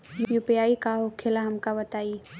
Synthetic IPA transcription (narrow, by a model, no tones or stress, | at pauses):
jjupijaːikaɦokʰelaɦɐmkabɐt̪aːi